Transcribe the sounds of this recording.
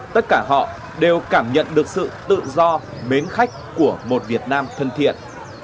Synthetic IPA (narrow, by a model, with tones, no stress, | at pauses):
t̪ə˦˥t̚kaː˧˩ɦɔ̰˧˨ | ɗe˨˩wkaː˧˩mɲə̰˧˨nɗɨ˨˩ək̚sɨ̰˧˨t̪ɨ̰˧˨zɔ˧me˨˦nxa˦˥jk̟̚ku˧˩əmo˨˩t̚vi˨˩ət̚naː˧mt̪ʰə˧nt̪ʰḭ˧˨ən